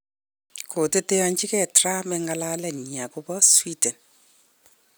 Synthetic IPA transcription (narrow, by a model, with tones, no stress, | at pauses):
kʰo˨te˦te˦jɔ˦ɲt͡ʃi˦kɛ˨tra˦mɛŋɡa˧la˦lɛ˨ɲi˨a˨ku˦bɔ˦swi˦dɛ˨n